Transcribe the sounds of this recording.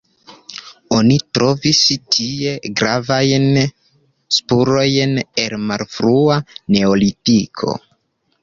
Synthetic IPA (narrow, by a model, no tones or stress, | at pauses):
o̞nitɾo̞vistʰie̞ɡɾavajn | spuɾo̞jne̞lmalfɾuane̞olitikʰo̞̰